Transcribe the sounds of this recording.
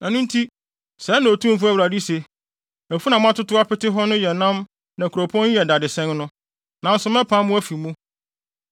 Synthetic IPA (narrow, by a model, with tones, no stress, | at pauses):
æ̃˨nʊ̃˦n˦tʰi˦ | sɛ˨˦nã˨tʰũ˦m̩˨fʊ˦æ˦˨wɾa˨di˦se˨ | æ˨fu˦nã˨m̃˦a˦tʊ˦tʊ˦a˦pɪ˦tɪ˦ɦɔ˦nʊ̃˦jɛ˨nã˦m | nã˨kʰu˨ɾo˨pʰɔ̃˦n˦jɛ˨da˨dɪ˨sɛ̃˦nnʊ̃˦ | nã˨n̩˦sʊ˨˦mɛ̃˦pʰã˦mːʊ̃˦æ˦fi˨mũ˦